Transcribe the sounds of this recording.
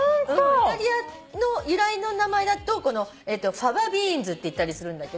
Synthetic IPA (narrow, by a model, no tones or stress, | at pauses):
ɯ̃aɾʲia | no̞jɯɾaino̞namae̞d̪at̪o̞ko̞no̞ | e̞ːt̪ːo̞ɸaβabʲiːnd͡zɨt̪ːe̞it̪ːaɾʲisɨɾɯ̟̃nd̪ake̞d̪o